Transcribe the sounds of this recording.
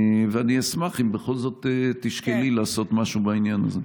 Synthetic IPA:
veaniasmaχimbeχo̞lzo̞t̪etːiʃkelilaːso̞t̪maʃubainjana̰ze

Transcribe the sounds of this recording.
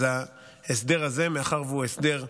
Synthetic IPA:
a | esd̪e̞ʁaze̞meaχaʁveuesd̪e̞ʁ

